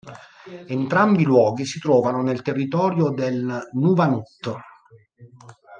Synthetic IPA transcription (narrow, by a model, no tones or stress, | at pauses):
ent̪ɾambilwɔːɡisit̪ɾɔːvanonelt̪erːit̪ɔːɾjod̪elnuvanut̪ː